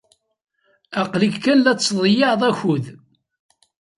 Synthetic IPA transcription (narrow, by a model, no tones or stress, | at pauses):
æqlikkːænlæt͡sːðˤjɑʕðˤæçuð